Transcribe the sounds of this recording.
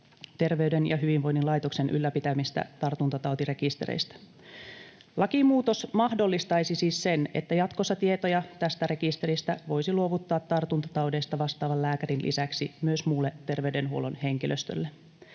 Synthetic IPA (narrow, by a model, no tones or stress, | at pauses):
t̪e̞rʋeydenjɑ̰ɦyʋinʋo̞jnːinlɑjt̪okse̞nʔylːæpit̪æmist̪æ̰t̪ɑrt̪unt̪ɑt̪ɑwt̪ire̞kist̪ḛɾḛjst̪æ̥ | lɑkimuːt̪o̞smɑhdo̞lːist̪ɑjsisiːsːe̞ne̞̰t̪ːæjɑt̪kosːɑt̪ie̞t̪ojɑt̪æst̪æɾe̞kist̪e̞ɾist̪æʋo̞jsiluoʋut̪ːɑːt̪ːɑrt̪unt̪ɑ̥t̪ɑwde̞jst̪ɑʋɑst̪ɑːʋɑllæːkæɾinlʔḭsæksimyøsmuːlːet̪ːe̞rʋeyde̞nɦuo̞̰lonhe̞ŋkilʔøst̪ø̰lːe